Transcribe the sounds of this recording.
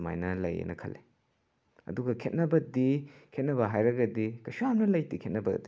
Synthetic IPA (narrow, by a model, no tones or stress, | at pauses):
ma̰jnɐlɐ̰jḛnʔɐkʰɐ̰lːe | ɐ̰duɡɐkʰet̚nɐbɐdikʰet̚nɐβɐɦajɾɐɡɐdikɐsuamnɐlɐjtikʰet̚nɐbɐɡɐ̰di